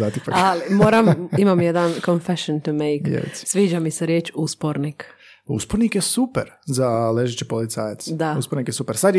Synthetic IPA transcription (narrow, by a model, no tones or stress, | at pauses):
zat̪ipakalimoːɾamimamjed̪ankonfeʃont̪umejkḛl̰t̪si̥sʋiːd͡ʒamiseɾjeːt͡ʃuspoɾnik | ṵspoɾnikjesupeɾzaleʒet͡ɕepolit̪saːjat̪sd̪auspoɾnikjesupeɾsad̪j